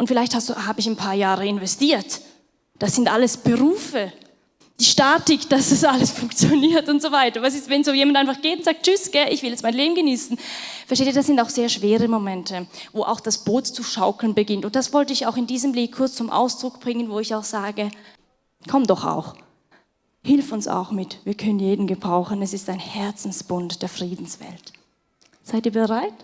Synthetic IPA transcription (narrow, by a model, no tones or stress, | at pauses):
ʔʊntfɪlaɪçthasduhaːbəɪçanpʰaːɐjaːʁəɪnvɛstiːɐt | d̥asɪntʔaləsb̥əʁuːfə | d̥iːʃtaːtɪkd̥asd̥asʔaləsfʊŋkt͡sjoniːɐtʊntz̥ovaɪtɐvasɪstvɛnsz̥oːjeːmantʔaɪnfaχɡ̥eːtʊntz̥aːk̚t̚t͡ʃʏsɡ̥ɛʔɪçv̥ɪljɛt͡stmaɪnleːbm̩ɡəniːsn̩fɛɐteːtiːɐdasz̥ɪntaʊxz̥eːɐʃv̥eːʁəmomɛntʰəvoːʔa̰ʊxd̥asb̥oːtt͡suʃaʊkl̩nbəɡɪntʊnt̚d̥asv̥ɔltəɪçaʊxɪndiːzəmblɪːk̚kʰʊɐt͡st͡sʊmʔa̰ʊsd̥ʁʊkb̥ʁɪŋənvoːɪçaʊxz̥aːɡə | kʰɔmdɔχa̰ʊx | hɪlfʊnsa̰ʊxmɪtviːɐkʰœnənjeːdn̩ɡəbʁaʊxən̩ɛsɪstaɪnhɛɐt͡sn̩sb̥ʊntd̥eːɐfʁ̥iːdn̩sv̥ɛ̰lt | z̥aɪt̚iːɐbəʁaɪt